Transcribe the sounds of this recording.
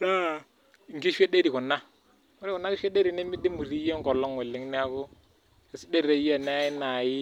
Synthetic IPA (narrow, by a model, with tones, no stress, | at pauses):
la˦˨ | ŋ˨ɡi˦ʃe˦de˦ɾi˨kʊ˨nːa˦ | mʊ˦ɾi˦kʊ˨nːa˦ki˦ʃe˦de˦ɾi˨ne˦mi˦di˦mu˨ɾi˦je˦ŋɡɔ˨lːɔ˦ŋwe˨lːɪ˦ŋn˦a˦kʊ˦ | e˨si˦de˦ɾe˨˦ja˦˨na˦i˦na˨jɪ˦